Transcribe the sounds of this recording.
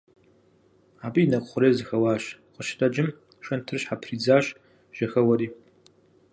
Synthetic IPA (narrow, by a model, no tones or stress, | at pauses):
aːbiːnɐkʷʼχʷʊɾeːzɨxɐwaːɕqʼəʃtʰʼɐd͡ʒɪm | ʃʷɐntʰɨrɕħapʰriːd͡zaːɕ | ʒ̥ɐxɐwɐɾiː